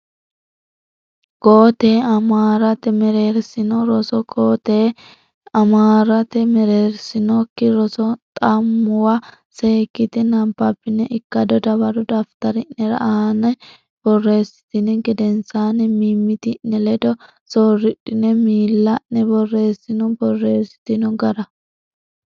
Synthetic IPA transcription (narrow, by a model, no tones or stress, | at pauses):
koːt̪eːɐmaːɾɐt̪ɛmɛɾe̞ːɾsɪnɔɾɔsɔkoːt̪eː | ɐmaːɾɐt̪ɛmɛɾe̞ːɾsɪnɔkːɪɾɔsɔt̪ʼɐmːʊwɐ | seːkːɪt̪ɪnɐmpːɐpːɪnɛʔɪkːɐd̪ɔd̪ɐbɐɾɔd̪ɐft̪ɐɾɪnɛɾɐ̰aːnɐ | b̥ɔrːe̞ːsɪ̥t̪ɪnɛɡɛd̪ɛnsaːnɛmiːmːɪt̪ɪnːɛlɛd̪ɔ | soːrːɪᶑɪnɛmiːlːɐnːɛbɔrːe̞ːsɪnɔbɔrːe̞ːsɪ̥t̪ɪnɔɡɐɾɐ